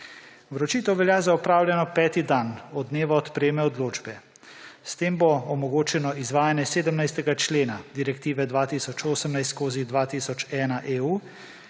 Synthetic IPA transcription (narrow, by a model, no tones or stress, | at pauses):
ʋɾɔt͡ʃiːt̪əwʋɛljaːzaɔpɾaːwlʲjɛnɔpɛːt̪id̪anɔd̪neːʋaːt̪pɾeːmɛɔd̪loːd͡ʒbɛ | st̪eːmbɔɔmɔɡoːt͡ʃɛnɔizʋaːjanjɛseːd̪əmnajst̪ɛɡat͡ʃleːnad̪iɾɛkt̪iːʋɛd̪ʋaːt̪iːsɔt͡ʃoːsəmnajst̪skoːzid̪ʋat̪iːsɔt͡ʃɛːnaʔeːuː